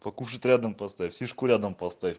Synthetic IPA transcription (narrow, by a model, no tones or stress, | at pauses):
pɐkuʂɨt̪ʲɾʲad̪əmpɐst̪afʲsʲiʂkʊɾʲad̪əmpɐst̪aɪ